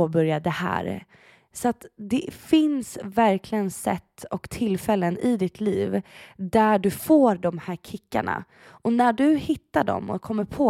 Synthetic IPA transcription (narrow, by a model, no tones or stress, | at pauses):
oːbœɾjad̪ɛhæ̰ːɾ | sɔat̪d̪ɛfɪnsvæɾkʰlɪɡənsɛ̰t̪ːɔkt̪ʰɪlːfɛlːənɪd̪ɪt̪ʰliːvd̪æɖɵfoːɾɖɔmhæːɾkʰɪkːa̰ɳa̰ | ʔɔnæɖɵhɪt̪ːaɖɔ̰mːɔ̰kʰɔmːəɾpʰoː